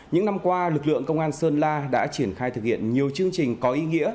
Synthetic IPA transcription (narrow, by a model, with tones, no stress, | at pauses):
ɲɨ̰˧˥ŋna˧mkwaː˧lɨ˨˩k̚lɨ̰˧˨əŋkə˧wŋ͡mʔaː˧nsəː˧nlaː˧ɗa̰ː˧˥t͡ɕi˧˩ənxaː˧jt̪ʰɨ˨˩k̚hḭ˧˨ənɲi˨˩əwt͡ɕɨ˧əŋt͡ɕï˨˩ŋ̟kɔ˨˦ʔi˧ŋḭ˧˥ə